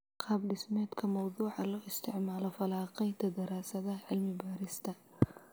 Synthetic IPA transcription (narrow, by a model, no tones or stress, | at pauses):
qʰɑːbɖɪsmɛːd̪kʰɐmɑwðuːʕɑlɔːɪst̪ʰɪʕmaːlɔfɐlaːqɛjt̪ʰɐd̪ɐɾaːsɐðɐɦʕɪlmɪbaːɾɪst̪ʰɐ